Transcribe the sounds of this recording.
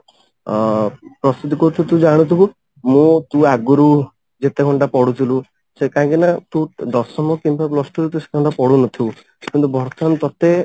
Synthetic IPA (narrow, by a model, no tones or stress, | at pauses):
pɾɔsid̪ʱikɔɾut̪ut̪ũd͡ʒaɽ̃ũt̪ʰibu | mũt̪ũaɡuɾu | d͡ʒet̪ekʰɔɳʈapɔɽut̪ʰilu | sekaãŋkinat̪ũd̪ɔsɔmɔkimpaplɔsʈɔɾut̪use̥kʰɔɳʈapɔɽunɔt̪ʰiw | kint̪ubʱɔɾt̪ʰant̪ɔt̪e